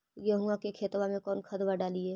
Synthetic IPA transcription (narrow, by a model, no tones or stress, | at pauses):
jɐɦʊãkekʰeːt̪wamẽkɔːnkʰət̪ʋaɖaːlieː